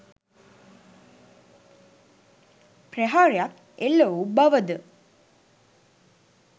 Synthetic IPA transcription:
preɦaːɾejat̪ | elːoubɐʋəd̪ə

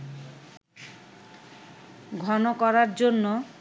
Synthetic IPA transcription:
ɡʱɔnokɔɾaɾd͡ʑonːo

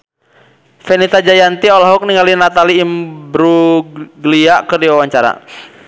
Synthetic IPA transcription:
fɛnit̪ad͡ʒajant̪iɔlaɦɔk̚niŋɡalinat̪aliːmbɾuɡliakərdiwawaɲt͡ʃaɾa̰

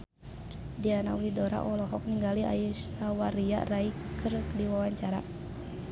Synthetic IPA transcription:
dianaulidɔɾa̰ʔɔlɔɦɔk̚niŋɡalia̰usawaɾia̰ʔraikʰɨrkdiwawaɲt͡ʃaɾa̰

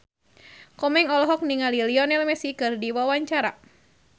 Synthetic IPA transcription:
kɔmɛŋɔlɔɦɔk̚niŋaliliɔnɛlmɛsikɨrdiwawaɲt͡ʃaɾa

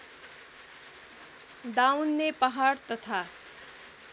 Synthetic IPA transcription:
d̪awnːepʌɦaɽt̪ʌt̪ʰa

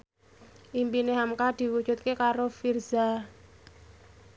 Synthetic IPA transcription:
ʔimpineɦamkad̪̥i̤wud̥ʒ̥ṳt̪̚kekaɾofirza

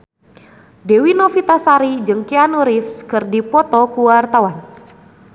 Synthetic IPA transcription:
dewinɔfit̪asaɾid͡ʒɨŋkianuɾifskɨrdipɔt̪ɔkuwart̪awan

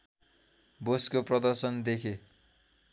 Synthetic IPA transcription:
boskoprʌd̪ʌrsʌnd̪ekʰe

